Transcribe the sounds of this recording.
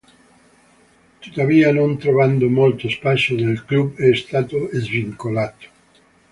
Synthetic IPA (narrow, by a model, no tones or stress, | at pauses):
t̪ut̪avianõnt̪ɾovand̪omolt̪ospasod̪elklubeːst̪at̪oezviŋkolat̪o̥